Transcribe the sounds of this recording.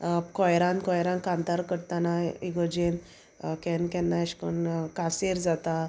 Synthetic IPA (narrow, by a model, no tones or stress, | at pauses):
kɔjɾãnkɔjɾãnkãnt̪aɾkəɽt̪anaiɡɔd͡ʑen | kɛnkɛ̃nːaɕkonkaseɾd͡zat̪a